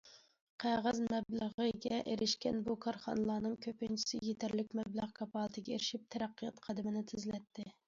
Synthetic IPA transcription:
qʰæʁæzmɛbləʁəɡʲɛʔeɾɪʃkʲɛnbukʰɑɾχɑnɨlˠɑːnɨŋkʲʰøpɪnt͡ʃʰi̥sɪjet̪ʰæɾlɪkʲmɛblæʁkʰɑpʰɑːlˠɨt̪ʰɪɡʲɛeɾɪʃip̚t̪ʰɛɾæqːɨjɑt̪qʰɑd̪ɪmɪnɪt̪ʰɪzlɛt̪ʰːɪ

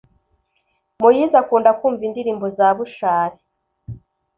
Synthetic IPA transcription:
mujiːzakuːndakuːɱvindiɾiːmbozaːβuʃaːɾe

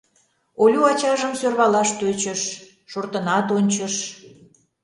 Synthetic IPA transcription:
olʲuɑt͡ɕɑʒəmsørβɑlɑʃt̪øt͡ɕəʃː | ort̪ənɑt̪onʲt͡ɕəʃ

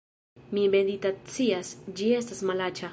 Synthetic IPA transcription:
mibend̪it̪at͡siasd͡ʒiest̪asmalat͡ʃa

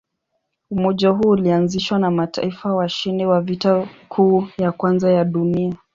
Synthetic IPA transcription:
umɔʄaɦuːlianziʃwanamatʰa̰ifawaʃinɛwavitakʰuːjakwanzajaɗunia

